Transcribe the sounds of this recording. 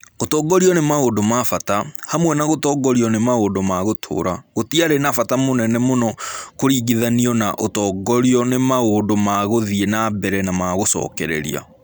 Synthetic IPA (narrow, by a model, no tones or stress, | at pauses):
otɔːɡɔɾiɔnemaodomafatahamwɛnaɣotɔɡɔɾiɔnemaoːndomaɣotʰo̰ːɾaɣotiaɾenafatamonɛnɛmonɔkoɾiːɡiðaniɔnaʔotɔːɡɔɾiɔnemaoːndomaɣoðienabɛɾɛnamaɣosɔ̰ːkɛɾɛ̰ɾḭa̰